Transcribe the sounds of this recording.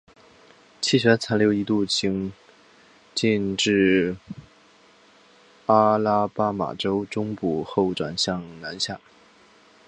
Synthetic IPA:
t͡ɕʰi˥˩ɕɥɛ˧˥t͡sʰa˧˥ljo˥˩ʊi˧˥t̪u˥˩t͡ɕʰi˧˥ŋ | t͡ɕi˥˧nʈ͡ʂɻ̩˥˩ | pa˥la˥pa˥ma̰˨˩ʈ͡ʂo˥ʊʈ͡ʂʊ˥ŋpu˨˩xo˥˩ʊʈ͡ʂwa̰˨˩nɕjɑ˥˩ŋna˧˥nɕja˥˩

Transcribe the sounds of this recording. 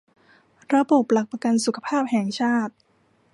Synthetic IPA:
ɾa˧bo˨˩p̚la˨˩k̚pa˧ka˧nsu˨˩kʰḁ˧pʰaː˥˩p̚hɛ˨˩˦ŋt͡ɕʰaː˥˩t̪̚

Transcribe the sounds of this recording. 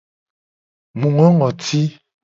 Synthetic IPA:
mu˨ŋɔ˦ŋɔ˨tʰi˦

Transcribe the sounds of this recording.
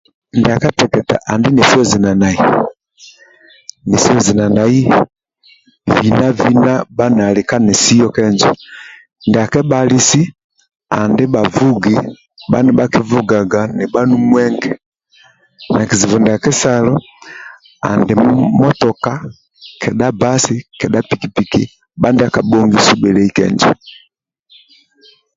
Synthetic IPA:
nda˨kɛ˦tɛ˨kɛ˨ta̰˨ʔa˨ndi˦nɛ˨si˦ɔ˦zi˨na˨na˨i˨ | ni˨si˦ɔ˦zi˨na˨na˨i˦ | vi˨na˦vi˦na˦ba˦na˨li˨ka˦nɛ˨si˦jɔ˦kɛ˦ɲd͡ʒɔ | ndɛ˨a˨kɛ˦ba˦li˦si˦ | a̰˨ndi˦ba˨vu˦ɡi | ɓa̰˦nɛ˨ɓa˦ki˦vu˦ɡa˨ɡa˨nɛ˨ba˦nu˦mwɛ˦ŋɡɛ˨ | na˨ki˨zi˨vɔ˨ndɛ˨a˨kɛ˦sa˦lɔ˦ | a̰˨ndɛ˨mɔ˦tɔ˨ka˦ | kʰɛ˨ɗa˦ba˦si˦kɛ˨ɗa˦pi˨ki˨pi˨kḭ˨ | ɓa˦ndɛ˦a˦ka˨ɓɔ˦ŋɡi˦su˦ɓɛ˨lɛ˦i˦kɛ̰˨ɲd͡ʒɛ̰˨

